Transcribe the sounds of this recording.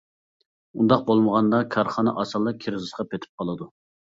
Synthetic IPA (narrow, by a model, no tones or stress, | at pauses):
und̪ɑq̚bolˠməʁɑnd̪ɑkʰɑɾχɑnɨʔɑsɑlˠːɑkʲʰeɾɪzɨsqɑpʰet̪ʰɪ̥p̚qʰɑlˠɨd̪u